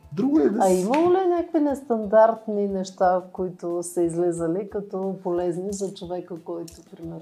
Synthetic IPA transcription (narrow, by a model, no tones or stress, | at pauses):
d̪ɾuɡʊɛd̪ɐimɐlˠolinʲakkvinɛst̪ɐnd̪aɾt̪ninɛʃt̪akoit̪ʊsɐizlɛzəlikɐt̪ɔpolɛznizɐt͡ʃovɛkəkɔjt̪ʊpɾimɛɾ